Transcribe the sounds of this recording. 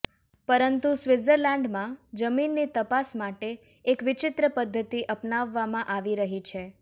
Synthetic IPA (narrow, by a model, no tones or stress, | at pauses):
pəɾənt̪usʋɪzəɾlɛ̃ɳɖmãd͡ʒəminːit̪əpasmaʈeː | kʋɪt͡ʃɪt̪ɾəpəd̪ʱːət̪iʔəpnaʋːamãʔaʋiɾəɦit͡ʃʰe